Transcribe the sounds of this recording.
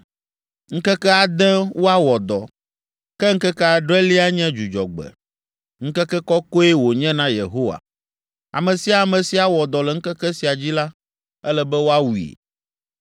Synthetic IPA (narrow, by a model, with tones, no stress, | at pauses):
ŋ̩˦kɛ˦kɛ˦a˨d̪ɛ̃˦wo˦a˦wɔ˨d̪ɔ˨ | kɛ˦ŋ̩˦kɛ˦kɛ˦a˨ɖɾɛ˦li˦a˦ɲɛ̃˦d͡ʒu˨d͡ʒɔ˨ɡ͡bɛ̰˨ | ŋ̩˦kɛ˦kɛ˦kɔ˦ko˦e˦wo˨ɲɛ̃˦nã˦jḛ˨ɦo˦wa̰˨ | a̰˨mɛ̃˨si˨a˨mɛ̃˨si˨a˨wɔ˨d̪ɔ˨lɛ˨ŋ̩˦kɛ˦kɛ˦si˨a˨d͡ʑi˦la˦ | ɛ˦lɛ˨bɛ˦wo˦a˦wu˨ḭ˨